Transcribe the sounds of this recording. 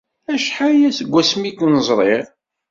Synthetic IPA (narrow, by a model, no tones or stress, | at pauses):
æʃħajæsəɡʷːæsmikːnəzˤɾˤeʁ